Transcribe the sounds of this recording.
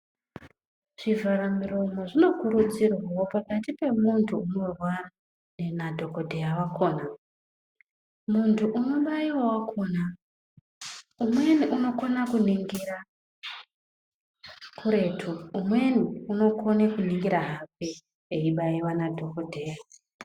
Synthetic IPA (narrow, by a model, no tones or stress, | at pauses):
ʐ̥ivaɾamiromo̞ʐino̞kuɾud͡zirwawopakatipe̞muntʰuːno̞rwa | nenadʱo̞kodʱejawako̞ːna | muntʰuʔːno̞ɓaiwowakʰo̞ːna | umwe̞niʔuno̞konakuniŋɡira | kʰuɾe̞ːtʰuumweniuno̞ko̞nekuniŋɡiɾaɦap̚e | eiɓaiwanadʱo̞kodʱeja